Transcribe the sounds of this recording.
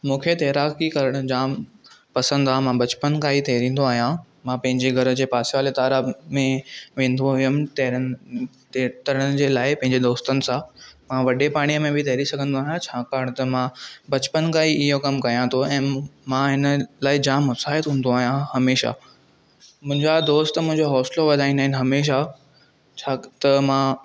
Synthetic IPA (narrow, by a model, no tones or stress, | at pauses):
mũːkʰet̪eːɾaːkikɐɾəɽ̃ʊd͡ʑaːmpɐsə̃nd̪aːɦmãbɐt͡ɕpənkaːit̪ʰeːɾĩːn̆d̪oaːɦijã | mãːpɐ̃ɦɪ̃ɲd͡ʑeɡʱɐɾə̆d͡ʑeːpaːsʋaːlet̪aːɾamẽʋẽːn̆d̪oɦʊjəmɪt̪ | t̪ɐɾəɽ̃d͡ʑeːlaːɪpɐ̃ɦɪ̃ɲd͡ʑed̪oːst̪ənɪ̆sãmãʋɐɗepaːɽ̃ijəmẽbʱit̪ʰɐɦɾisɐɡʱə̃nd̪oaːɦjãt͡ɕʰaːkaːɾəɽ̃t̪ɐmãbɐt͡ɕpənkaːiɪɦokɐmkɐjãt̪ʰoɛ̃ːmãɦɪnəlaːɪd͡ʑãːmʊsaːɦɪt̪ɦũːnd̪oaːɦijãhɐmeːʃa̰ | mʊ̃ɦɪ̃ɲd͡ʑad̪oːst̪mʊ̃ɦɪ̃ɲd͡ʑoɦɔːsloʋɐd̪ʱaːɦĩnd̪aːɦɪn̆ɦɐmeːʃ̬a | t͡ɕʰaːt̪ɐmãː